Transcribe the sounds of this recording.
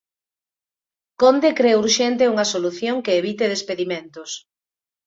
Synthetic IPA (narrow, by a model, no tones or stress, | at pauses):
kond̪ekɾeuɾʃɛnt̪euŋɐsoluθjoŋkeːβit̪eðespeðimẽnt̪ʊs